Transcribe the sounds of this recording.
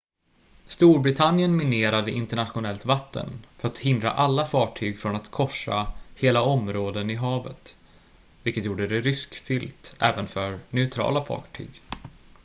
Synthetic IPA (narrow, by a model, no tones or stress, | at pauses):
st̪uːɾbɾɪt̪ʰanjənmɪneːɾad̪əʔɪnt̪əɳat̪ɧʊnɛlt̪vat̪ʰːə̰nfœɾat̪hɪnd̪ɾa̰ʔalːafɑːʈʰyːɡfɾɔnat̪kʰɔʂːa̰heːlaɔmɾoːd̪ənɪɦɑːvə̰t̪ | vɪlkət̪juːɖəd̪ɛɾʏskfʏlt̪ɛ̰ːvənfœɾnɛʊt̪ʰɾɑ̰ːlafɑ̰ːʈʰy̰ːɡ